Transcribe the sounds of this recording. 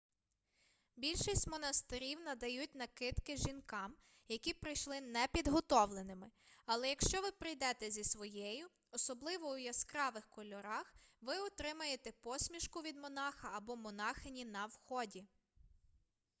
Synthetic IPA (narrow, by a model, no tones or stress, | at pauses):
bʲilʲʃisʲtʲmɔnɐst̪ɪɾʲiwnɐd̪ɐjut̚ʲn̪ɐkɪt̪kɪʒinkɑm | jɐkʲipɾɪjʃlˠɪnɛpʲid̪ɦɔt̪ɔʋlˠenɪmɪɐlˠɛjɐkʃt͡ʃɔʋɪpɾɪjd̪ɛt̪ɛzʲisʋɔjɛjʊ | ɔsɔblˠɪʋɔwjɐskɾɑʋɪxkɔlʲɔɾɑxʋɪɔt̪ɾɪmɐjet̪ɛpɔsʲmʲiʃkʊʋʲid̪mɔnɑxɐːbɔmɔnɑxɪnʲinɐwxɔdʲi